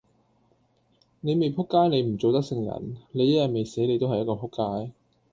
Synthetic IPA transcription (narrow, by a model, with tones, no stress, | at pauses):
ne˨˧jme˨jpʰʊ˥kːaː˥jne˨˧jm̩˨˩t͡so˨wt̪ɐ˥k̚sɪ˧ŋjɐ̰˨˩nle˨˧jːɐ˥jɐ˨t̚me˨jse˨˥jle˨˧jt̪o˥ɦɐ˨jɐ˥kɔː˧pʰʊ˥kːaː˥j